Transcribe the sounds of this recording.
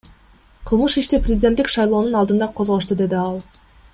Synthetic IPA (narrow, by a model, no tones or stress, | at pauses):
qʰɯlˠmɯʃiʃt̪iprʲɪzʲdʲet̪ːikʃɑjlˠo̞ːnunɑlˠd̪ɯnd̪ɑqʰo̞zʁo̞ʃ̬t̪ud̪e̞d̪iɑlˠ